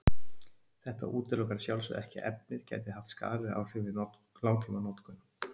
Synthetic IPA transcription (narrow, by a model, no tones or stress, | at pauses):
θɛht̪a̰ʔuːt̪ɪlɔwkaɾ̥sjawlsvʏ̰ðɛhcɪʔɛp̚nɪɾ̥cɛ̰ːjt̪ɪaft̪ska̰ːlɪða̰wr̥ɪvɪnɔ | laːwt̪ʰimanɔt̪kʏn